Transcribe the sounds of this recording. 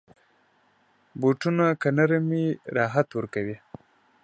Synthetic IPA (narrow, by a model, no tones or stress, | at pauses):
boʈunakanaɾamiɾɑːɦat̪wəɾkawi